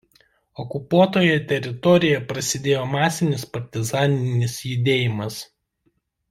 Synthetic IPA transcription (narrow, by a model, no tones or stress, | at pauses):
ɔkʊpuɔt̪oːjɛt̪ʲɛɾʲɪt̪ɔɾʲɪjɛpɾɐsʲɪd̪ʲeːjoːmɑːsʲɪnʲɪspɐɾʲt̪ʲɪzɑːnʲɪnʲɪsjʊd̪ʲeːjɪmɐs